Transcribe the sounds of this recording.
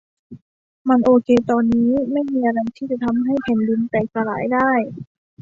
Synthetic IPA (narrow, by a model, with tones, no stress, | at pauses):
ma˧˥nʔoː˧kʰeː˧t̪ɔː˧nːiː˦˥ma˥˩jmiː˧ʔa˧la˧˩jt̪ʰiː˥˩t͡ɕa˨˧˦t̪ʰa˧mɦa˥˩jpʰɛː˨˩˦ndi˧nt̪ɛː˨˩k̚sa˧la̰ː˨˩˦jdaː˥˩j